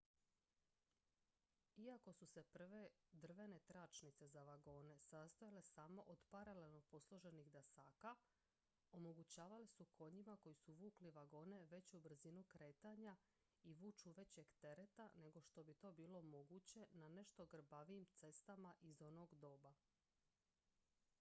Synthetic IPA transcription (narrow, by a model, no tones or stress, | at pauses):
iako̞suse̞pr̩ʋe̞d̪r̩ʋe̞ne̞t̪ɾat͡ʃnit̪se̞zaʋaɡo̞ːne̞sast̪ojale̞samo̞ʔod̪paɾale̞lno̞po̞slˠo̞ʒe̞niɣd̪asaːka | omo̞ɡut͡ɕaːʋalesukʰo̞ɲimako̞jisuʋuːkliʋaɡo̞ːne̞ʋe̞t͡ɕubr̩zinukɾe̞ːt̪aɲa | iʋuːt͡ʃuʋe̞t͡ɕe̞ɡt̪e̞ɾe̞t̪ane̞ɡo̞ʃt̪o̞bit̪o̞ːbiːlo̞mo̞ɡuːt͡ɕe̞nane̞ʃt̪o̞ɡr̩baʋijimt̪se̞st̪amaʔizo̞no̞ɡd̪o̞ːba